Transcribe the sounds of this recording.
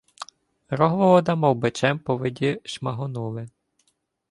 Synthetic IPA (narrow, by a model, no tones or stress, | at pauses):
ɾɔɦʋɔʋɔd̪ɐmɔwbet͡ʃɛmpɔʋedʲiʃmɐɦɔnulˠɪ